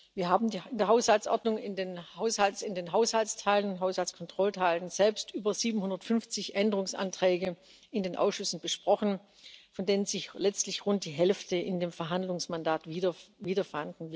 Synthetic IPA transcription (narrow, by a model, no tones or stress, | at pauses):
viːɐɦaːbm̩diɪndeːɐɦaʊshalt͡sʔɔ̰ɐdnʊŋɪndeːnhaʊshalsɪndeːnɦaʊshalt͡stʰaɪlənɦaʊshalt͡skʰɔntʁ̥ɔltʰaɪlənz̥ɛlpstʔyːbɐz̥iːbm̩hʊndɐtfʏnft͡sɪçʔɛndəʁʊŋsʔa̰ntʁ̥ɛːɡə | ɪndeːnʔa̰ʊsʃʏsn̩b̥əʃpʁ̥ɔχn̩ | fɔndeːnənzɪçlɛt͡stlɪçʁʊnt̚d̥iːɦɛlftəʔɪndeːmfɛɐɦandlʊŋsmandaːtvɐviːdɐfandn̩vɪ